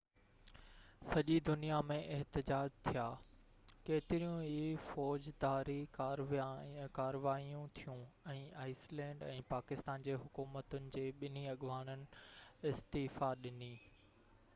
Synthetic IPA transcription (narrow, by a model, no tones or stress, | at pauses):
sɐʄid̪ʊnijamẽʔɪɦt̪ɪd͡ʑaːd͡ʑt̪ʰijaː | keːt̪ɪɾijũɦifɔːd͡ʑd̪aːɾikaːɾkaːɾəʋaːijũt̪ʰijũɛ̃ːʔaːɪslɛ̃ːɳɖɛ̃ːpaːkɪst̪aːnd͡ʑeːɦʊkuːmət̪ʊnɪ̆d͡ʑeːɓɪniɐɠʋaːnənɪ̆ɪst̪iːfaɗɪniː